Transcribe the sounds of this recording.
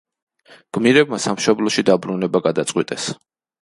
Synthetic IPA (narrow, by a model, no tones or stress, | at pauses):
ɡ̥miɾɛb̚masamʃɔblˠɔʃid̪abɾunɛbaɡad̪at̪sʼqʼwit̪ʼɛs